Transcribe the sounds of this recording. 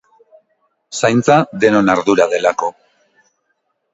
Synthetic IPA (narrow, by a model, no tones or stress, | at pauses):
sajnt͡saðe̞no̞naɾðuɾaðe̞lako̞